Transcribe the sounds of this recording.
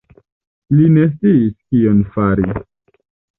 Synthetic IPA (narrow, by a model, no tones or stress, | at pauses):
line̞s̬t͡siːskionfaɾi